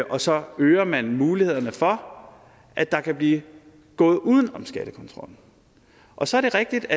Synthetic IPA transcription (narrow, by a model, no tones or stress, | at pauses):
ʔɒ̽sɒ̽øːɐmænmuːlihe̝ð̞̰ˠɐnəfɒ | ʔæ̥d̥ɑ̈kʰæb̥liː | ɡ̥ɔ̽ːð̞̩ˠuːð̞ˠn̩ɒ̽msɡ̥æɾ̥əkʰɔ̽nt͡sʰʁɒ̽l̰n̩ | ʔɒ̽sɒ̽æɐɾ̥e̝ʁɛɡ̥̚d̥id̥æ